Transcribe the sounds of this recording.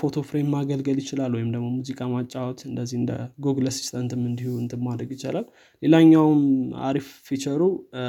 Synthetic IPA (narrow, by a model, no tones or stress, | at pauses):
fo̞t̪ʰo̞fɾemmːaɡəlɡəljɪt͡ʃɪlalwɔjɪmd̪əɡmo̞muzikʼamat͡ʃʼːawot̪ɨnd̪əzːihɨnd̪ə̰ɡoɡləsi̥st̪ʰʼənt̪ʰɨmːɨnd̪ihuwɨnt̪ʰɨmːad̪ɾəɡjɪt͡ʃalal | le̞laɲːawma̰ɾifːit͡ʃəɾu